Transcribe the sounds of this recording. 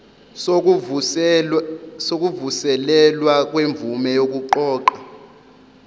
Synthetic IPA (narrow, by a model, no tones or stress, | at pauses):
sok̬uvusɛlɛlwak̬ʼweɱb̪vumɛjok̬ʼuǃɔːǃa